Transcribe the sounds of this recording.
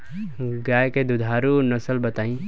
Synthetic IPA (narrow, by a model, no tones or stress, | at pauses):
ɡaːjked̪ʊd̪ʱaːɾunɐsəlbət̪aːĩ